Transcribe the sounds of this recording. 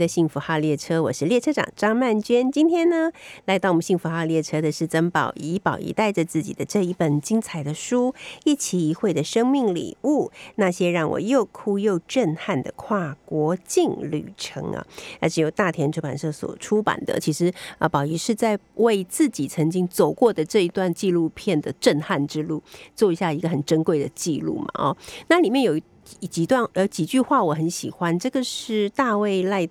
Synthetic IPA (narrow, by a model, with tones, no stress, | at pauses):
d̪ə˧ɕi˥˩ŋfu˧˥xa˥˧ljɛ˥˩ʈ͡ʂʰɤ˥wɔ̰˨˩ʂɻ̩˥˧ljɛ˥˩ʈ͡ʂʰɤ˥ʈ͡ʂɑ̰˨˩ŋʈ͡ʂɑ˥ŋma˥˩nt͡ɕɛ˥nt͡ɕi˥nt̪ʰjɛ˥nnə˧la˧˥ɪt̪ɑ˥˩ʊwɔ˨m˦ɕi˥˩ŋfu˧˥xa˥˧ljɛ˥˩ʈ͡ʂʰɤ˥d̪ə˨ʂɻ̩˥˩t͡sə˥ŋpɑ˨˩ʊi˧˥pɑ˨˩ʊʔḭ˧˥t̪a˥˩ɪʈ͡ʂə˩t͡sɹ̩˥˩t͡ɕḭ˨˩d̪ə˦ʈ͡ʂɤ˥˧i˥˩pə˨˩nt͡ɕi˥ŋt͡sʰa˧˥ɪd̪ə˧ʂu˥i˥˩t͡ɕʰi˨˩i˧˥xwe˥˩ɪd̪ə˩ʂɤ˥ŋmi˥˩ŋlḭ˨˩u˥˩na˥˩ɕjɛ˥ɻɑ˥˩ŋwɔ̰˨˩jo˥˩ʊkʰu˥jo˥˧ʊʈ͡ʂə˥˧nxa˥˩nd̪ə̰˩kʰwa˥˩kwɔ˧˥t͡ɕi˥˧ŋly̰˨˩ʈ͡ʂʰɤ̰˧˥ŋɐ̰˧a˧˥ʈ͡ʂɻ̩˧˥jo˨˩t̪a˥˩t̪ʰjɛ˧˥nʈ͡ʂʰo˥˩pa̰˨˩nʂɤ˥˩swɔ̰˨˩ʈ͡ʂʰu˥pa̰˨˩nd̪ə̰˨t͡ɕʰi˧˥ʂɻ̩˧˥ə˧˩pɑ˨˩ʊi˧˥ʂɻ̩˥˧t͡sa˥˧ɪwe˥˧ɪt͡sɹ̩˥˩t͡ɕi˨˩t͡sʰɤ˧˥ŋt͡ɕi˥ŋt͡so˨˩ʊkwɔ˥˩d̪ə˩ʈ͡ʂɤ˥˩i˧˥t̪wa˥˧nt͡ɕi˥˧lu˥˧pʰjɛ˥˩nd̪ə˩ʈ͡ʂə˥˧nxa˥˩nʈ͡ʂɻ̩˥lu˥˩t͡swɔ˥˩i˧˥ɕja˥˩i˧˥ɡə˧xə˨˩nʈ͡ʂə˥nkwe˥˩ɪd̪ə˩t͡ɕi˥˧lṵ˥˩mɐ̰˩ɔ̰˩˦na˥˩li˨˩mjɛ˥˩njo˨˩ʊ˥˨ | t͡ɕi˧˥t̪wa˥˧n˧˥t͡ɕi˨˩t͡ɕy˥˧xwa˥˩wɔ˨˩xə˧˥nɕḭ˨˩xwa˦˥nʈ͡ʂɤ˥˩ɡə˩ʂɻ̩˥˩t̪a˥˧we˥˧ɪla˥˧ɪ